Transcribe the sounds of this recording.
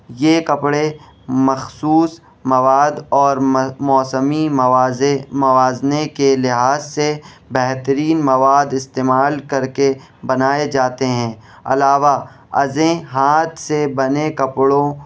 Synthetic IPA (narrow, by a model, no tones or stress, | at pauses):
jekɐpɽe | mɐxsuːs | mɐʋaːd̪ɔːɾmɔːsəmi | mɐʋaːznekelɪɦaːzse | bɛɦt̪əɾiːnmɐʋaːd̪ɪst̪eːmaːlkɐɾke | bɐnaːed͡ʒaːt̪eɦɛ̃ː | ɐ̰laːʋa | ɐ̰zẽɦaːt̪ʰsebɐnekɐpɽõ